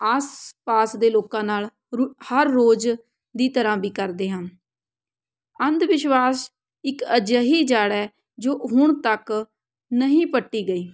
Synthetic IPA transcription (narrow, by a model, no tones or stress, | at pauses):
aːspaːsd̪eːloːkãːnaːl | həɾːoːd͡ʒ | d̪iːt̪əɾãːbiːkəɾd̪eːɦən | ənd̪ʋɪʃwaːs | ɪkəd͡ʒəɦiːd͡ʒaːɽɛː | d͡ʒoːɦʊɳt̪ək | nəɦĩːpəʈːiːɡəiː